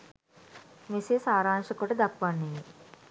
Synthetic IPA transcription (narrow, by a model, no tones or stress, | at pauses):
meseːsaːɾaːŋʂɐkoʈəd̪akʋanːemi